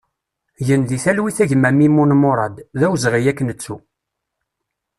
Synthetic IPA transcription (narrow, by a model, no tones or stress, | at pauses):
ʝənðiθælwiθæʝmæmimunmʊɾˤɑd̪ðæwzʁijækːnət͡sːu